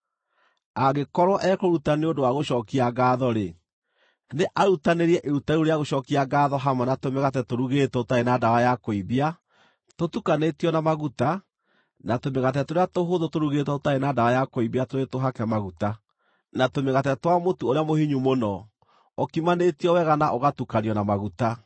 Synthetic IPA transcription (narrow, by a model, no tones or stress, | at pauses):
aɣekɔɾwɔʔɛkoɾutaneodowaɣoʃɔːkiaɣaðɔɾe | neʔaɾutaneɾiɛʔeɾutaioɾeaɣoʃɔːkiaɡaːðɔɦamanatomɛɣatɛtoɾuɣetwɔotaenadawajakoiβia | totukanetiɔnamaɣuta | natomeɣat̬ɛtoɾeatoɦoðotoɾuɣetwɔotaenaːdawajakoiβiatoɾetoɦakɛmaɣuta | natomeɣatɛtwamotuoɾeamohiɲumonɔ | ɔkimanetiɔwɛɣanaʔoɣatukaniɔnamaɣuta